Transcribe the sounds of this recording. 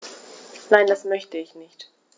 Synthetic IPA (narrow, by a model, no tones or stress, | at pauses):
naɪndasmœçtəɪçnɪçt